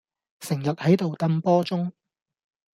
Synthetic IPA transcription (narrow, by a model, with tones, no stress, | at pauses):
sɪ˨˩ŋjɐ˨t̚hɐ˨˥jt̪o˨wt̪ɐ˥mpɔː˥t͡sʊ˥ŋ